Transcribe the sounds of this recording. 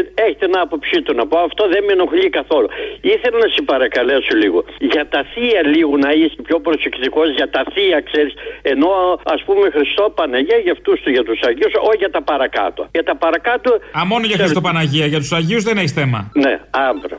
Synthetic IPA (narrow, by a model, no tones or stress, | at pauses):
eçe̥t̪enɐpo̞psit̪unɐpoɐft̪o̞ðemeno̞xlikɐθo̞luiθelɐnɐsipɐɾɐkɐle̞soliɣo̰ʝɐt̪ɐθiɐliɣonɐispço̞pɾosekt̪iko̞zʝɐt̪ɐθiɐkseɾise̞no̞ɐspumexɾist̪o̞pɐnɐʝiɐʝɐft̪ust̪uʝɐt̪usɐʝiusoʝɐt̪ɐpɐɾɐkɐ̰t̪oɐ̰ʝɐt̪ɐpɐɾɐkɐt̪oɐmo̞noʝɐxɾist̪opɐnɐʝiɐʝɐt̪u̥sɐʝiuzðeneçisθe̞mɐ̰neɐɱvɾo̰